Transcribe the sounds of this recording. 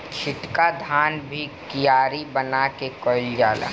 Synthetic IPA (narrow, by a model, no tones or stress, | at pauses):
t͡ʃʰɪʈkad̪ʱaːnbʱikijaːɾibənakekɔːɪld͡ʒaːla̰